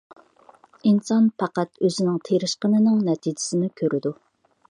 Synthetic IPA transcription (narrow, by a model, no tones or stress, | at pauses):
insɑnpʰɑqæt̪øzɪnɪŋt̪ʰeɾɪʃqənɨnɪŋnɛt̪ʰid͡ʒɪ̥sɪnɪkʲʰøɾɪd̪u